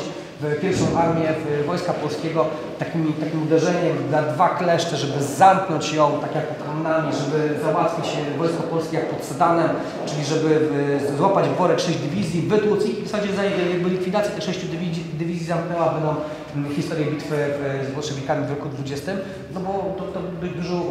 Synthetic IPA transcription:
vpʲjɛɾfʂɔ̃w̃ʔaɾmʲjɛvvɔjskapɔlskʲɛɡɔ | t̪akʲimʲit̪akʲimud̪ɛʐɛɲɛmd̪lad̪vaklɛʂt͡ʂɛʐɛbɘzamknɔɲt͡ɕjɔ̃w̃t̪akʲjak̚pɔt̪ɾɔmnamʲiʐɛbɘzawat̪fʲit͡ɕɛvɔjskɔpɔlskʲejak̚pɔt̪sɛd̪anɛm | t͡ʂɘlʲiʐɛbɘzwapad͡ʑvbɔɾɛʂɛʑd͡ʑd̪ɘvʲizʲjivɘt̪wusiifsad͡ʑɛzajaɡ̚bɘlʲikfʲid̪at̪ʲjat̪ɛʂɛ̃ɕt͡ɕud̪ʲid̪ɘvʲizʲizamknɛwabɛnd̪ɔ̃w̃ | xʲist̪ɔɾjɛbʲit̪fɘvzvwɔʂɛvʲekamʲivvʲɛkud̪vud͡ʑɛst̪ɘm | nɔbɔt̪ɔt̪ɔbbɘd͡ʑd̪uʐɔ

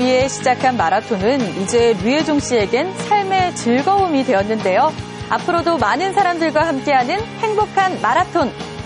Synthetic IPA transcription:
ie̞ɕʰid͡ʑakʰanmaɾatʰonɯnid͡ʑe̞ɥied͡ʑoŋɕ͈ie̞ɡe̞nsʰaɭme̞t͡ɕɯɭɡʌumidwe̞jʌnːɯnde̞jo | a̰pʰɯɾodomanɯnsʰaɾamdɯɭɡwahamk͈e̞ɦanɯnhe̞ŋbokʰanmaɾatʰon

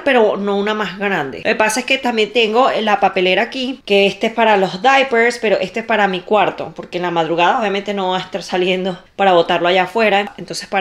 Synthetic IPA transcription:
pe̞ɾo̞no̞unamazɡɾand̪e̞̰loke̞pasae̞ske̞t̪ambje̞nt̪e̞ŋɡo̞lapape̞le̞ɾaːkike̞est̪espaɾalo̞zd̪ajpeɾspe̞ɾo̞ʔe̞st̪oe̞spaɾamikwaɾt̪o̞̰po̞ɾkenlamað̞ɾuɣaðaoβjame̞nt̪e̞no̞βaaest̪aɾsalje̞nd̪o̞paɾaβo̞t̪aɾlo̞aʝafwe̞ɾaent̪o̞nse̞spa

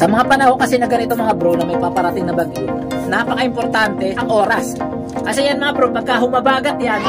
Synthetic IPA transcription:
sɐmɐŋapɐnɐho̞kɐsɛnɐɡɐnɪt̪omɐŋabɾunɐmɐɡ̚papɐɾɐt̪ɪŋnɐbɐɡo | napɐkaʔɪmpoɾt̪ant̪ɛʔɐŋʔo̞ːɾɐs | kɐsɛjanmɐŋabɾopɐɡ̚kaɦʊmɐbaːɡɐt̪̚jan

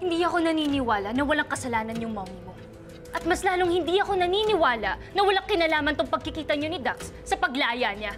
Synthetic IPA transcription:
hɪnd̪iɐko̞nɐniːnɪwaːlɐnɐwɐlaŋkɐsɐlaːnɐnjʊŋmɐwumo̞ | ʔɐt̪̚mɐslaːloŋhɪnd̪iʔɐko̞nɐninɪwaːlɐʔnɐwɐlaŋkɪnaːlaːmɐnt̪oŋpɐɡ̚kɪkiːt̪ɐɲo̞nɪd̪aksːɐpɐɡlajaɲa

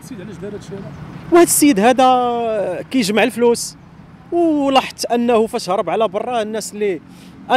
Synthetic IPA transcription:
ʕlæd̪æɾʃæwhæd̪sijːəd̪hæd̪æ | kæjəʒmaʕəlflus | wlɑħt̪ʔənːæhufæʃhɾˤəbʕlæbɑrˤːɑnːæsli | ʔæ

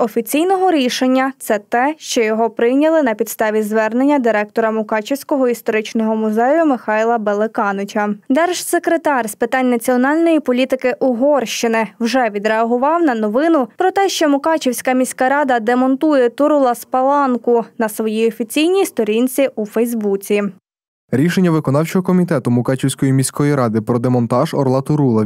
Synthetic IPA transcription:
ɔfʲit͡sʲijnɔɦɔɾʲiʃenʲːɐt̪sɛt̪ɛʃt͡ʃɔjɔɦɔpɾɪwnʲɐlˠɪnɐpʲid̪st̪ɑʋʲizʋɛrnenʲːɐd̪ɪɾɛk̚t̪ɔɾɐmʊkɑt͡ʃɪwsʲkɔɦɔist̪ɔɾɪt͡ʃnɔɦɔmʊzɛjʊmɪxɑjlˠɐbelˠekɑnʊt͡ʃɐd̪ɛrʒsekɾet̪ɑrspɪt̪ɑnʲnɐt͡sʲiɔnɑlʲnɔjipɔlʲit̪ɪkɪʔʊɦɔrʃt͡ʃɪnɪwʒɛʋʲid̪ɾeɐɦʊʋɑwnɐnɔʋɪnʊpɾɔt̪ɛʃt͡ʃɔmʊkɑt͡ʃiwsʲkɐmʲisʲkɐɾɑd̪ɐd̪emɔnt̪ujɛt̪ʊɾulˠɐspɐlˠɑnkʊnɐsʋɔjiɔfʲit͡sʲijnʲijst̪ɔɾʲinʲt͡sʲiʔufɛjzbut͡sʲi | ɾʲiʃenʲːɐʋɪkɔnɑwt͡ʃɔɦɔkɔmʲit̪ɛt̪ʊmʊkɑt͡ʃʲiwsʲkɔjimʲisʲkɔjiɾɑd̪ɪpɾɔd̪emɔnt̪ɑʒɔ̰rlˠɑt̪ʊɾulˠɐ

